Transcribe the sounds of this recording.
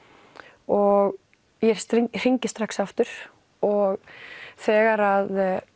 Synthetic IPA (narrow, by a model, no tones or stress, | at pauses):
ɔɣ | jɛɾ̥sɾr̥iɲcɪ̥st̪ɾaksaft̪ʏɾ̥ | ɔɣθɛːɣaɾað